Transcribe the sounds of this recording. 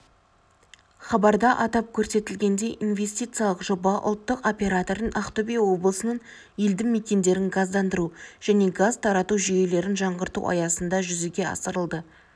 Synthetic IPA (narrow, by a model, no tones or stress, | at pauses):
χɑbɑɾd̪ɑʔɑt̪ɑp̚kʲʰɵɾse̞t̪ɪlɡʲe̞nd̪e̞jʔinve̞sʲt̪ijt̪sɨijalˠəqʒo̞bɑʔʊ̰lˠt̪ːəqo̞pʲe̞ɾat̪o̞ɾənʔɑχt̪obijwo̞blˠəsənən | jeld̪ɪŋme̞kʲe̞nd̪e̞ɾɪŋɡɑzd̪ɑnd̪əɾuʒ̥æne̞ɡazt̪ʰɑɾɑt̪uʒʏje̞le̞ɾɪnʒɑɴʁəɾt̪ṵɑ̰jɑsənd̪ɑʒʏzeɡʲe̞ɑ̰səɾəlˠd̪ə